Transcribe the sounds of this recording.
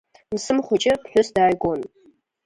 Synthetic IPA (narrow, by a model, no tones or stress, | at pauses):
msɨmχʷʊt͡ʃʼɪpħʷᶣʊsdaːjɡʷon